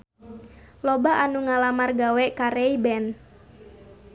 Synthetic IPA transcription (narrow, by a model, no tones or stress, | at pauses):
lɔbaʔanuŋalamarɡawɛkaɾɛibɛn